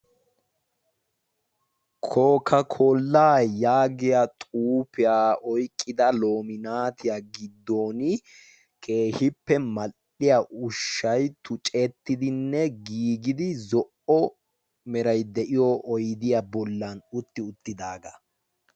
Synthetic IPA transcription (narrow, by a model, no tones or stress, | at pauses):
kʰoːkʰɐkʰoːlːaːjaːɡɪjat̪ʼuːpɪjaːɔjkʼːɪd̪ɐlo̞ːmɪnaːt̪ɪjaɡɪd̪ːoːnɪ | kʰe̞ːhɪpːɛmɐʔɪjaʔʊʃːɐjt̪ʊt͡ʃʼɛt̪ːɪd̪ɪnːɛɡiːɡɪd̪ɪzɔʔɔ | mɛɾɐjd̪ɛʔɪjɔʔɔjd̪ɪjabɔlːɐnʊt̪ːɪʊt̪ːɪd̪aːɡɐ